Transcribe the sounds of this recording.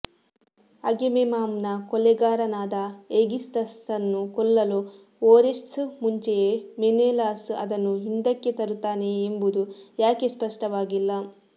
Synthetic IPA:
ɐɡememaːmnɐkɔlɛɡaːɾɐnaːd̪ɐeɡist̪ɐst̪ɐnːukɔlːɐlu | oːɾesʈsmuɲt͡ʃejemeneːlaːsɐ̰d̪ɐnːuɦind̪ɐkːet̪ɐɾut̪ːaːne̞ːmbud̪ujaːke̞spɐʂʈɐʋaːɡilːɐ

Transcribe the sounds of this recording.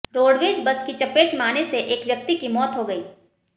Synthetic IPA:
ɾoːɽʋeːd͡ʒbɐskit͡ʃɐpeːʈmaːneseʔeːkʋjɐk̚t̪ikimɔːt̪ɦoɡɐiː

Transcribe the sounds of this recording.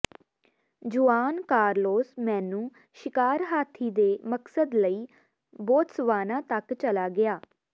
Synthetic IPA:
d͡ʒuaːnkaːɾloːsmɛ̃ːnũː | ʃɪkaːɾɦaːt̪ʰiːd̪eːməksəd̪ləiː | boːt̪səʋaːnãːt̪əkt͡ʃəlaːɡɪaː

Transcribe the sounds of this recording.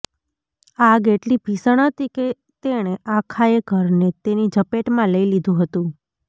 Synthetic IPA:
aɡeʈlibʱisəɳ̃ɦət̪ike | t̪eɽ̃eʔãkʰaeɡʱəɾnet̪enid͡ʒəpeʈmãləilid̪ʱũɦət̪ũ

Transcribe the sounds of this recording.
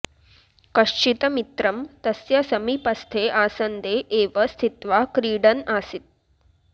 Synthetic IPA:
kɐʂt͡ʃit̪ɐmit̪ɾɐmt̪ɐsjɐsɐmipɐst̪ʰeːʔaːsɐnd̪eʔːʋɐst̪ʰit̪ʋakɾiːɽɐnaːsit̪̚

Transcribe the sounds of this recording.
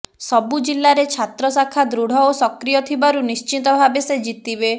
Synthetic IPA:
sɔbud͡ʒilːaɾet͡ʃʰat̪ɾɔsakʰad̪ɾuɽ̤ɔosɔkɾijɔt̪ʰibaɾunist͡ʃit̪ɔbʱabesed͡ʒit̪ibe

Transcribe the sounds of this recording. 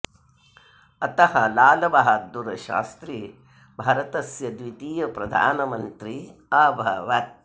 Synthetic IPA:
ɐt̪ɐhɐlaːlɐʋɐɦɐd̪ːuɾɐʃa̰ːst̪ɾi | bʱaːɾɐt̪ɐsjɐd̪ʋit̪iːjɐpɾɐd̪ʱa̰ːnɐmɐnt̪ɾiaːbʱɐʋɐt̪̚

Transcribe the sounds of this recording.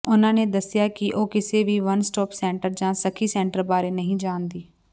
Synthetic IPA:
ʊnãːneːd̪əsjaːkɪʔoːkɪseːʋiːʋənsʈɔːpsɛ̃ːɳʈəɾd͡ʒãːsəkʰiːsɛ̃ːɳʈəɾbaːɾeːnəɦĩːd͡ʒaːnd̪iː

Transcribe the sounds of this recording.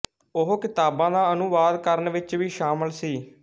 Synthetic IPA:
ʊɦokɪt̪aːbãːd̪ãːənʊʋaːd̪kəɾənʋɪt͡ʃʋiːʃaːməlsiː

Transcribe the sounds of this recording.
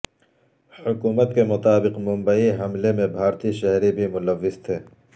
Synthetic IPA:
hʊkuːmət̪kemʊt̪aːbɪqmʊ̃mbəiɦɐmlemẽbʱaːɾt̪iʃɛɦɾibʱimʊləʋːɪzt̪ʰeː

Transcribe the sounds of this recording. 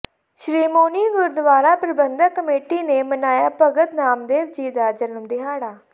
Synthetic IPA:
ʃɾiːmoːniːɡʊɾd̪əʋaːɾaːpɾəbənd̪əkəmeːʈiːneːmənaːjaːpəɡət̪naːmd̪eːʋd͡ʒiːd̪aːd͡ʒənəmd̪ɪɦaːɽaː

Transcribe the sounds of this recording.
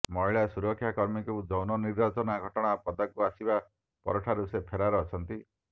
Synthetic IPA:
mɔɦiɭasuɾɔkʰːjakɔɾmikuud͡ʒɔwnɔniɾbat͡ʃɔnaɡʱɔʈɔɽ̃apɔd̪akuasiba | pɔ̰ɾɔʈʰaɾusepʰeɾaɾeːt͡ʃʰɔnt̪i

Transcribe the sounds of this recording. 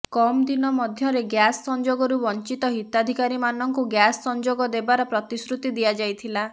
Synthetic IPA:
kɔmd̪inɔmɔd̪ʱjɔɾeɡjasːɔnd͡ʒoɡɔɾubɔnt͡ʃit̪ɔɦit̪ad̪ʱikaɾimanɔŋkuɡjasːɔnd͡ʒoɡɔd̪ebaɾɔpɾɔt̪isɾut̪id̪ijad͡ʒajt̪ʰila

